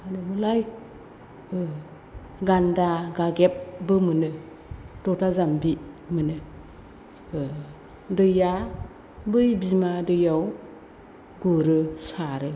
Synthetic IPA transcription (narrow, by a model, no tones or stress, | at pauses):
anɯmɯlaj | ɯ | ɡandaɡaɡep̚bɯmɯnɯ | d̥ɔtʰazambimɯnɯ | dɯja | bɯjbimadɯjaw | ɡuɾɯsaɾɯ